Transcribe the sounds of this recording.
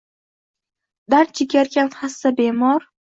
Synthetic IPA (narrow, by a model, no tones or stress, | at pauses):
d̪aɾ̚t͡ʃʰɪkʲaɾkʲʰanχasːabemɒɾ